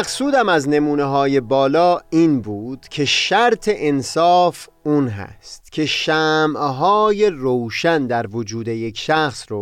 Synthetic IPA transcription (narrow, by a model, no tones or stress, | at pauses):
æqsuːd̪æmæzne̞muːneɦɒːje̞bɒːlɒːiːnbuːd̪̥cʰe̞ʃæɾt̪ʰe̞ʔensɒːf | uːnɦæ̰st̪cʰe̞ʃæːmʔɦɒːje̞rowʃænd̪æɾvod͡ʒuːd̪e̞je̞kʰʃæxsɾo